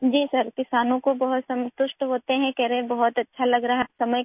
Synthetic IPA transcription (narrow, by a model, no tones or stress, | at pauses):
d͡ʒiːsɐɾkɪsaːnõkobɐɦʊt̪sɐ̃mt̪ʊʃʈɦoːt̪eɦɛ̃kɛːɾẽbɐɦʊt̪ɐtːʃʰalɐɡɾaɦpsɐməj